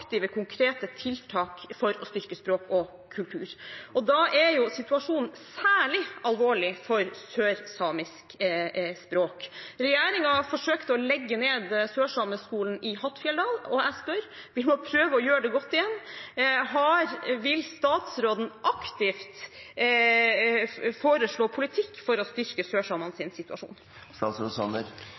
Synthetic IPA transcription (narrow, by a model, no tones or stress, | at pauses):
kt̪ɪʋəkʰʊŋkʰɾeːt̪ət̪ʰɪlt̪ʰɑːkfɔɾɔ̰st̪ʏɾkəspɾoːkɔ | kʰʉlt̪ʰʉːɾʔɔd̪ɑʔæɾjʊsɪt̪ʉɑʂuːnn̩sæːɭɪɑlʋoːɭɪfɔɾsøːɾsɑːmɪskspɾoːkɾɛjæːɾɪŋɑfɔʂøːkt̪əɔlɛɡːəneːd̪søːʂɑməskuːln̩ɪhɑt̪fjɛld̪ɑːlɔæspœɾ | ʋɪlmopʰɾøːʋəɔjøːɾɖɛɡɔt̪ːɪjɛnːɦɑɾʋɪlst̪ɑːt̪sɾoːd̪n̩ʔɑkt̪ɪft̪ | foːɾəʂɭoːpʰʊlɪt̪ʰɪkːfɔɾɔst̪ʏɾkəsøːʂɑːmɑnsɪnsɪt̪ʉɑʂṵːn | st̪ɑːt̪sɾoːd̪sɑnəɾ